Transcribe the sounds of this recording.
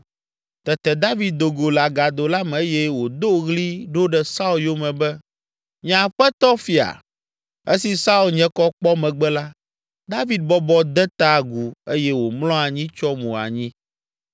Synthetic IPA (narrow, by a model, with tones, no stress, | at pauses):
t̪ɛ˨t̪ɛ˨d̪a˦vi˦d̪̚d̪o˨ɡo˨la˨ɡa˨d̪o˨la˦mɛ˨e˦jɛ˦wo˨d̪o˦ɣli˦ɖo˦ɖɛ˨sa˦u˦ljo˦mɛ̃˨bɛ˦ | ɲã˨ɸɛ˦t̪ɔ˦fi˨a̰˨ | e˦si˨sa˦u˦˨lɲɛ̃˦kɔ˦k͡pɔ˦mɛ̃˨ɡ͡bɛ˦la˦ | d̪a˦vi˦d̪̚bɔ˦bɔ˦d̪ɛ˦t̪a˦˨ɡu˨e˦jɛ˦wo˨mlɔ̃˦a˨ɲĩ˦t͡ʃɔ˦mũ˨a̰˨ɲĩ˦